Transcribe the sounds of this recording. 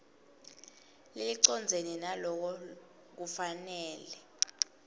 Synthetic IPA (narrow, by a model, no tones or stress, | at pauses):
liliǀɔnd͡zʱeninalɔk̬ɔ | k̬ufanɛːlɛ